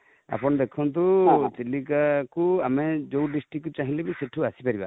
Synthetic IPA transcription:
a̰pɔnd̪ɛkʰɔnt̪̬ut͡ʃilikakuamɛd͡ʒowɖisʈɾikut͡ʃaɦĩlɛbiseʈʰuasipaɾiba̰

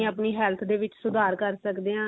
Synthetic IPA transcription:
əpniːɦɛːlt̪ʰd̪eːʋɪt͡ʃsʊd̪aːɾkəɾsəkd̪eːãː

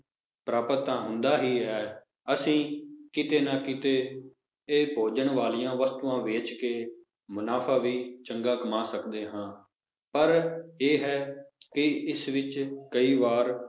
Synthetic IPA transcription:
pɾaːpət̪ːãːɦʊ̃nd̪aːɦiːɦɛː | əsĩːkɪt̪eːnãːkɪt̪eː | eːbʱoːd͡ʒəɳʋaːlijãːʋəst̪uːãːʋeːt͡ʃkeː | mʊnaːpʰaːʋiːt͡ʃəŋɡaːkəmaːsəkd̪eːɦãː | pəɾeːɦɛːkɪɪsʋɪt͡ʃkəiːʋaːɾ

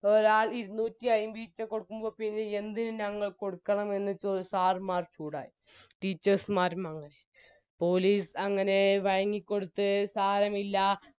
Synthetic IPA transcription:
o̞ɾaːɭiɾunːuːtːiɐjumʋiːt͡ɕːɐkːo̞ɽukːumbo̞ːpinːeend̪inɨɲɐŋːɐɭko̞ɽukːɐɳɐme̞nːɨt͡ɕosaːrmaːrt͡ɕuːɽa̰ːji | ʈiːt͡ɕːɐrsmaːɾumɐŋːɐne̞ | po̞ːliːsɐŋːɐne̞ʋɐɻɐŋːikʲːo̞ɽut̪ːɨsaːɾɐmilːɐ

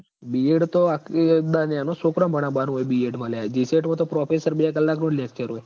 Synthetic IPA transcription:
bieɽt̪oakd̪anjanosokɾəmbʱəɽ̃ãbanuɦojbieʈmãlead͡ʒiseʈmãt̪̬opɾɔpʰesəɾbijakəlːaknõlekt͡ʃəɾɦoj

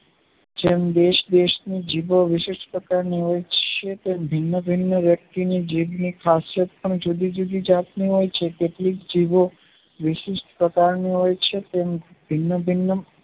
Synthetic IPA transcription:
d͡ʒemd̪eʃd̪eʃnid͡ʒiʋoʋɪʃiʃʈpɾəkaɾniɦojt͡ʃʰet̪embʱɪnːəbʱinːəʋjək̚t̪inid͡ʒiʋnikʰasjət̪̚pəɳd͡ʒud̪id͡ʒud̪id͡ʒat̪niɦojt͡ʃʰekeʈlikd͡ʒiʋo | ʋɪʃiʃʈʰpɾəkaɾniɦojt͡ʃʰet̪em | bʱɪnːəbʱinːə

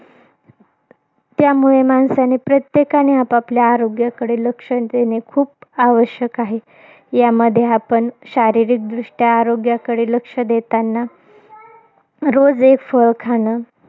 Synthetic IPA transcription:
t̪jamuɭemansanepɾət̪jekañiapapljaːɾoɡjakəɽeləkʂəd̪enekʰuːpaʋəɕjəkaɦe | jaməd̪ʱːjeapəɳɕaɾiɾiːk̚d̪ɾuʂʈjaːɾoɡjakəɽeləkʂəd̪et̪anːa | ɾod͡zekfəɭkʰaɽ̃ə

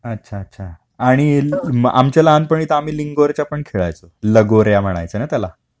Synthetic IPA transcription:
ətːɕʰaətːɕʰa | aɽ̃ia̰mt͡ɕalaanpəɳ̃it̪əam̤iːliŋɡoɾt͡ɕapəɳkʰeɭa̰jt͡soləɡoɾjam̤əɽ̃a̰jt͡sənat̪jala

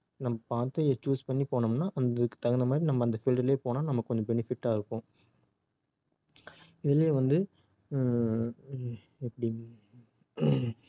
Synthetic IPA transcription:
nɐmːɐpaːɾt̪ɯt͡ʃuːspɐɳːipoːɳɐmnːaːʔɐnd̪kːɯ̥t̪ɐɣɐnd̪ɐmaːd̪ɾinɐmːɐːnd̪ɐfɪlʈɾɪleːpoːnaːnɐmːɐkːɯkːɔɲd͡ʒɐ̃bɛnɪfɪʈːaːɪɾɯpːõː | ɪðɪleːʋɐnd̪ɯ | ɛpːɐɽɪj

